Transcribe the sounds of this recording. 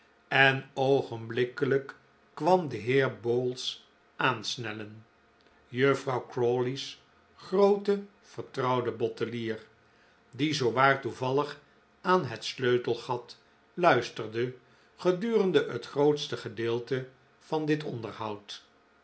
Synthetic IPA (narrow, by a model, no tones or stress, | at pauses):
ɛnowχənblɪkələkː | ʋɑmdəɦɪːɹboːlˠs | ʔaːnsnɛlən | jøfrɑwkrolis | χrowtə | v̥əɹtrɑwdəbɔtəliːr | dizowʋaːɹtuvɑləχ | aːnɦɛtsløɥtəlˠχɑt | lœɥstərdə | χədyːrəndəətχrowtstəχədɪːlˠtə | v̥ɑndɪtɔ̰ndəɹɦɑwt